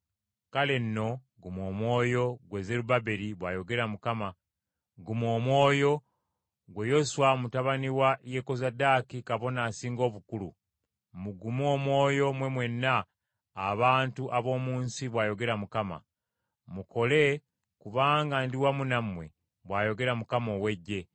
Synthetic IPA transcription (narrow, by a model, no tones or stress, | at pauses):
kale̞nːo̞ | ɡumo̞ːmwo̞ːjo̞ɡwe̞ze̞ɾubabe̞ɾiβwaːjo̞ɡe̞ɾamukama | ɡumo̞ːmwo̞ːjo̞ | ɡwe̞jo̞swamutaβaniwajeko̞zadaːkikaβo̞naːsiːŋɡo̞ːβukulṵ | muɡumo̞ːmwo̞ːjo̞mwe̞mwe̞nːaː | βaːntuʔaβo̞ːmuːnsiβwaːjo̞ɡe̞ɾamukama̰ | muko̞le̞ | kuβaːŋɡandiwamunamwe̞ | βwaːjo̞ɡe̞ɾamukamo̞we̞ɟːe̞